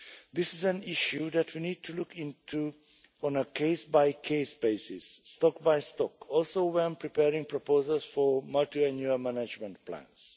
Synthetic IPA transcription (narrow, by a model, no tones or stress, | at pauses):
d̪ɪsɪzæ̃niʃuðætʰwinid̚tʰulukʰĩntʰu | ɔ̃nəkʰeɪsbaɪkʰesbeɪsɪsːtɔkbaɪstɔkɔlsowɛ̃npɹipɛɹĩŋpɹɔpozəlsfɔmaltiɛ̃njuəmænad͡ʒmə̃nt̚plã̰ns